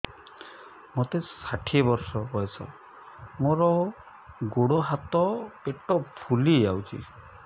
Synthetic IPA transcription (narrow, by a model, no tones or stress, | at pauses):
mot̪esaʈʰiebɔɾsɔɦɔjsɔ̰ | moɾɔ | ɡoɽoɦat̪ɔpeʈɔpʰuliawt͡ʃʰḭ